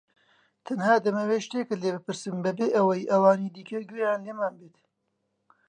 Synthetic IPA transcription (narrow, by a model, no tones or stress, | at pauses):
t̪ʰɐnhaːd̪ɐmɐweːʃt̪eːkɐleːbɨpɨɾsɨmbɐbeːʔɐwɐjʔɐwaːniːd̪iːkɐɡweːjaːnleːmaːnbeːt̪